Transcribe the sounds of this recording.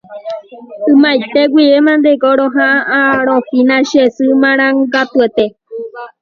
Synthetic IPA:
ɨmajt̪eɡwʷiʋemãnd̪eɡoɾoɦãaaɾ̃õfinãʃesɨmãɾ̃ãŋɡat̪uet̪e

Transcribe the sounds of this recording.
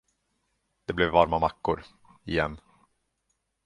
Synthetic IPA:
d̪̥ɛblɛvːaɾmamakːʊɾ | ɪjɛnː

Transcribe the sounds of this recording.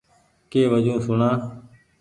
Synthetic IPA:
keːʋəd͡ʒõːsʊɳãː

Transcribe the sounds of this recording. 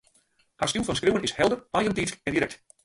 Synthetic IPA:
hastulˠfɔnskriwənɪshɛlˠdərajəntiskɛndiɾɛkt

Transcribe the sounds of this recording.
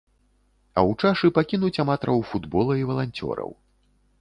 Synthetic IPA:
ɐ̰wt͡ʂaʂɨpakʲinut͡sʲamat̪ɾɐwfud̪bɔlˠɐivɐlˠanʲt͡sʲɔ̰ɾɐ̰w

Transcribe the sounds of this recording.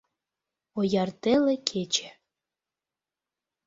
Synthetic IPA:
ojɑrt̪elekʰet͡ɕe̥

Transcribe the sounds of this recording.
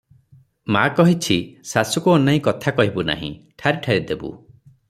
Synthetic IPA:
makɔɦit͡ʃʰisasukuɔnaĩkɔt̪ʰakɔɦibuna̰ɦḭ̃ʈʰaɾiʈʰaɾid̪ebṵ

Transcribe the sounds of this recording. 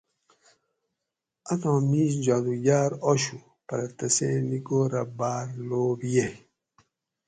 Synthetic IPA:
anɔ̃misd͡ʒadujaːɾɔʃu | paɾataseniɡoɾabaːɾloːbije

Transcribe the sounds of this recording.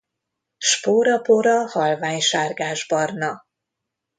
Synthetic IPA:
ʃpoːɾɒpoɾɒhɒlvaːɲʃaːrɡaːʒbɒrnɒ

